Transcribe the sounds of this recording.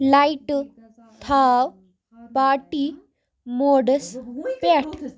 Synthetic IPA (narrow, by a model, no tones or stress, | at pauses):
laiʈ | t̪ʰaw | paʈi | moɽəspɛʈ